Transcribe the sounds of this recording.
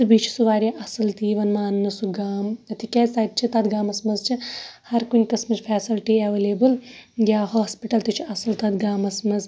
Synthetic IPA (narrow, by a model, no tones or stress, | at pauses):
sɨbiːt͡ʃʰi̥suʋaːɾʲiʔɐsɨlt̪iːʋɐnmaːnːɐsuɡaːmɐt̪ʰikʲɛːsaːd̪̚t͡ʃʰit̪ɐd̪ɡaːmɐsmɐzt͡ʃʰihɐɾkunʲkɐsmɐzfʰɛːsilʈiɐʋeːleːbɨljʲaːɦoːspiʈɐlt̪it͡ʃʰiʔɐsɨlt̪ɐd̪ɡaːmɐsmɐz